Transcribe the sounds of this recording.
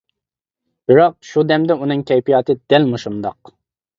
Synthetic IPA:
b̥ɪɾɑq̚ʃud̪ɛmd̪ɛunɨŋkʲʰɛjpijɑːt̪ʰɨd̪̥ɛlmuʃund̪ɑq

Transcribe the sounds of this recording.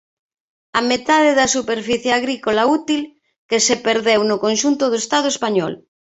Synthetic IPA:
amet̪aðeðɐsupeɾfiθjaɣɾikolaut̪il | kesepeɾðewnʊkõnʃunt̪ʊðoest̪að̞oespaɲɔ̰l

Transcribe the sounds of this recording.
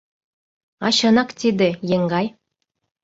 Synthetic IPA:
ɑɕɤ̆nɑkt̪id̪ĕjeŋɡɑj

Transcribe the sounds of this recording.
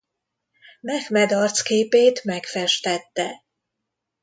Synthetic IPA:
mɛxmɛd̪ɒrt̪skeːpeːt̪mɛkfɛʃt̪ɛt̪ːɛ

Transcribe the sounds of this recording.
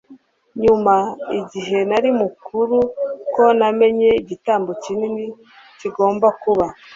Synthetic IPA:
ɲumaiɟiɦe̞naɾimukuɾuko̞name̞ɲe̞iɟitaːmbo̞cinini | ciɡo̞ːmbakuβa

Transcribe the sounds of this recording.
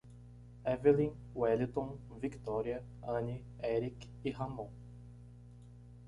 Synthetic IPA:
ɛvelĩ | wɛlit̪õvikt̪ɔɾiɐ | ɐ̃ni | ɛɾik | ihɐmõ

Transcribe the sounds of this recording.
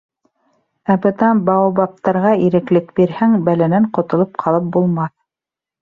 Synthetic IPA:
æbɤ̆t̪ɑnbɑwɑbɑp̚t̪ɑɾʁɑiɾɘ̆klɘkbiɾhæŋbælænæɴqŏt̪ŏlˠɤp̚qʰɑlˠɤp̚bulˠmɑθ

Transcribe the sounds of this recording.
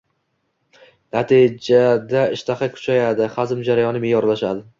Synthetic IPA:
nat̪ʰid͡ʒad̪aɪʃt̪ʰaχakʲʰʊ̥t͡ʃʰajad̪ɪχazɪmd͡ʒaɾajɒnɪmejjɒɾlaʃad̪ɪ

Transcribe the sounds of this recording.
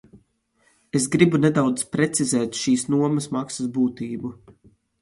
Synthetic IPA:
esɡɾibunɛd̪awd̪zpɾet̪sizɛːt̪ʃiːsnuɔmɐsmaksɐsbuːt̪iːbu

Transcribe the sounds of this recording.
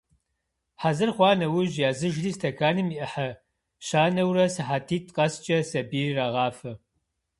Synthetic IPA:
ħazɨrχʷɑːnɐwʊʑjaːzɨʒriːstʰɐkʰaːnɨmiʔɐħɐ | ɕaːnɐwrɐsɨħatʰiːtʰqʼɐst͡ʃʼɐsɐbiːriraːʁɑːfɐ

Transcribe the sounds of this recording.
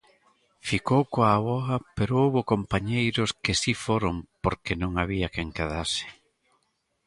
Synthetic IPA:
fikowkoaβɔɐpeɾoowβokompaɲejɾʊskɪsifoɾompoɾkenõŋaβiɐkeŋkeðasɪ̥

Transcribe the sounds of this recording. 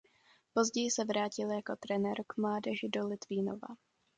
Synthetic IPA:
po̞zɟɛjɪsɛvɾaːcɪljako̞t̪ɾɛnɛɾkmlaːdɛʒɪdolɪt̪viːno̰va̰

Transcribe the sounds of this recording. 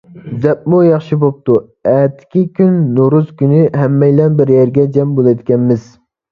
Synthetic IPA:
zɛp̚mujɑχʃibop̚t̪u | ɛːt̪ʰːɪ̥kʲikʲynːuɾuz̥kʲynɪɦɛmːɛjlɛnbɪɾjɛɾɡʲɛd͡ʒɛmbolˠɛd̪ɪkʲɛnmɪz̥

